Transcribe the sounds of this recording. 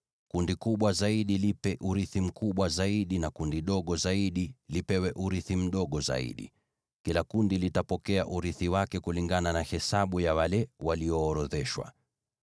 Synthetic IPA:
kundikuɓwazaiɗilipɛʔuɾiθim̩kʰuɓwazaiɗinakundiɗɔɠɔzaiɗilipɛwɛʔuɾiθim̩ɗɔɠɔza̰ḭɗḭ | kilakundilitapɔkɛaʔuɾiθiwakɛkuliŋɡananahɛsaɓujawalɛwaliɔːɾɔðɛʃwa̰

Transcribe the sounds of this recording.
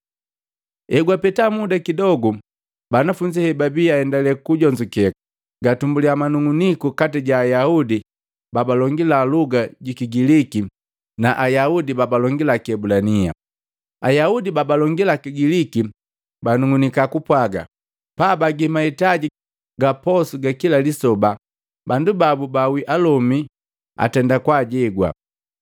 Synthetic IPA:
ɛɡwapɛtamudakidɔɡu | banafuɲd͡ʒihɛbabiaɛndalɛkuɟɔɲd͡ʒukɛk | ɡatumbuliamanuŋunikukatiɟaːjaudi | babalɔŋɡilaluɡaɟikiɡiliki | naʔajaudibabalɔŋɡilakiɛbulania̰ | ajaudibabalɔŋɡilakiɡiliki | banuŋunikakupwaɡa̰ | pabaɡimaitaɟi | ɡapɔsuɡakilalisɔba | bandubabubawiʔalɔmi | a̰tɛndakwaɟɛɡwa̰

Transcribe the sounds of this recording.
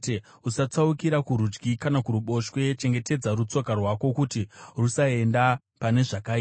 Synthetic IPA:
e | usat͡saukiɾakuɾud͡ʒɡikanakuɾuɓo̞ʃwe̞t͡ʃe̞ŋɡe̞te̞d͡zarut͡so̞karwako̞kutirusae̞nda | pane̞ʐaka

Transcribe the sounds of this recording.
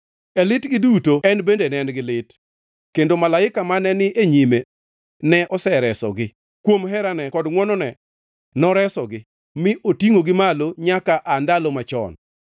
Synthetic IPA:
ɛlɪtɡɪdutoɛnbendenɛnɡɪlɪt | kendomalaɪkamanɛnɪʔeɲime | nɛʔɔsɛɾɛsɔ̰ɡɪ | kwomɦɛɾanɛkɔdŋwɔnɔnɛ | nɔɾɛsɔɡɪ | mɪʔotiŋoɡɪmaloɲakaʔandalɔmat͡ʃɔ̰n

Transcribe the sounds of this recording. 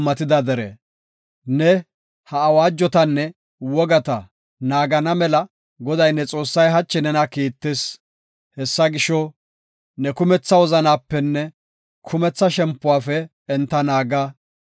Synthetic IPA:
mːɐt̪ɪd̪ɐd̪ɛɾḛ | nɛ | hɐːwaːd͡ʒːɔt̪ɐnːɛ | wɔɡɐt̪ɐ | naːɡɐnɐmɛlɐ | ɡɔd̪ɐjnːɛt͡sʼo̞ːsːɐjɦɐt͡ʃːɪnɛnɐkiːt̪ːeːs | hɛsːɐɡɪʃɔ | nɛkʊmɛt͡sːɐwɔzɐnaːpːɛnːɛ | kʰʊmɛt͡sːɐʃɛmpːʊwaːfɛː | nt̪ːɐnaːɡaː

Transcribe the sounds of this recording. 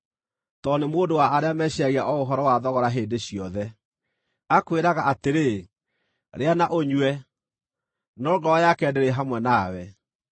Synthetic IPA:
tɔnemoːndowaːɾeamɛɕaɣiaʔɔoɦɔɾɔwaðɔɣɔɾaɦeːndeɕiɔðɛ | akweɾaɣaʔateɾe | ɾeanaʔoɲwɛ | nɔːɡɔɔjakɛːdeɾeɦamwɛnawɛ

